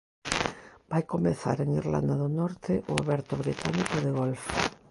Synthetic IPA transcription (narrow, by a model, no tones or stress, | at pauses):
b̥ajkomeθa̰ɾeŋiɾla̰nd̪aðʊnɔɾt̪ɪʔʊaβɛɾt̪ʊβɾit̪anikʊðɪɣolfo